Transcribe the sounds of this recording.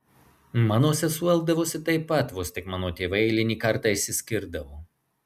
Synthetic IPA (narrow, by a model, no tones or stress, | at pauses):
mɑːnoːsʲɛsuɛlˠɡd̪ɐʋoːsʲɪt̪ɐɪpːɐt̪ʋost̪ʲɪkmɑːnoːt̪ʲeːʋɐɪɛɪlʲɪnʲiːkɐɾt̪ɑːɪʃsʲɪsʲkʲɪɾd̪ɐʋoː